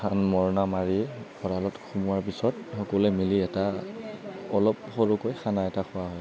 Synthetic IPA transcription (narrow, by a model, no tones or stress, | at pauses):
xʰanmɔɹɔnamaɹiɡʰɔɹalɔtxʰumʊaɹp̬isɔtxɔkɔlɛmiliɛta | ɔlɔp̚xɔɹukojxanaɛtakʰʊwaɦɔj